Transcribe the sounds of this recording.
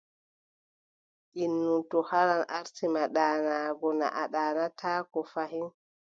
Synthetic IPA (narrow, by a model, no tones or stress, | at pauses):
ʔinːutɔhaɾanaɾtimaɗaːnaɡɔna̰ʔaɗaːnatʰaːkɔfaɦin